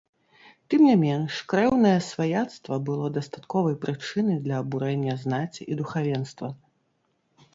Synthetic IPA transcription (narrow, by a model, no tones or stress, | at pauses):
t̪ɨmnʲamʲɛnʂkɾɛwnɐjɛsvajat̪st̪vɐbɨlˠɔd̪ɐst̪at̪kɔvɐjpɾɨt͡ʂɨnɨjd̪lʲɐːbuɾɛnʲːɐznat͡sʲiʔid̪uxavʲɛnst̪vɐ